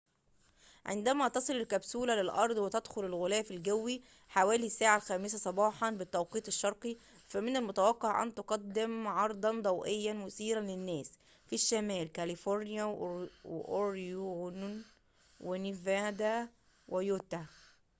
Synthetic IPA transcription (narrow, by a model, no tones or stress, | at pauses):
ʕḛnd̪æmæt̪ɑsˤɨlelkæbsuːlælelʔɑɾˤd̪ˤwet̪æd̪xolelɣolæːfilɡæwːi | ħawæːlisːæːʕalxæːmɪs̬æsˤɑbɑːħɑnbɪt̪ːæwqiːt̪ˤeʃːɑɾˤqi | fæmɪnælmʊt̪æwɑqːeʕʔæ̰nt̪oqɑd̪ːɪmʕɑɾˤd̪ˤɑnd̪ˤɑwʔejːænmʊsiːɾænlenːæːs | fiʃːæmæːlkælifoɾnɪjæwwḛʔoɾjunn | wenivæd̪æ | wʔejot̪æ